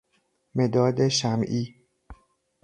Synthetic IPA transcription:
med̪ɒːd̪eʃæmʔiː

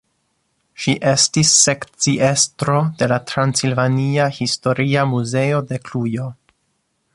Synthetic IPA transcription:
ʃiʔe̞stisːe̞kt͡siʔestɾo̞d̥e̞latɾansilvaniahisto̞ɾiamuze̞ode̞klujo̞

